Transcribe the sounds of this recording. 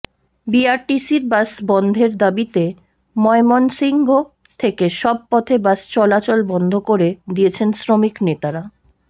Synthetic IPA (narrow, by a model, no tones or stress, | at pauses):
biaɾʈisiɾbasbɔnd̪ʱeɾd̪abit̪e | mɔemonsiŋɡo | t̪ʰekeʃɔb̚pɔt̪ʰebast͡ɕɔlat͡ɕɔlbɔnd̪ʱokoɾed̪ijet͡ɕʰensɾomiknet̪aɾa